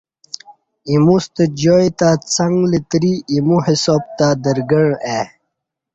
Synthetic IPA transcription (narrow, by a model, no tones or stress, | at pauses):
imust̪əd͡ʑojt̪at͡saŋɡlit̪ɾiimuhisob̚t̪ad̪əɾɡəɳe